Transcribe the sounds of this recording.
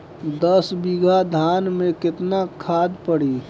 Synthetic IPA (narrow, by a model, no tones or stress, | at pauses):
d̪əsbiɡʱad̪ʱaːnmẽkɪt̪nakʰaːd̪pəɽiː